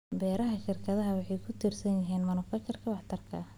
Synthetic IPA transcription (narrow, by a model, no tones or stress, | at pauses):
bɛːɾɐɦɐʃɪrkʰɐðɐɦɐwɑħɑjkʰʊt̪ʰiːrsɐnjɐɦiːnmɐnʊfɐt͡ʃɐrkʰɐbɑħt̪ʰɐrkʰɐ̰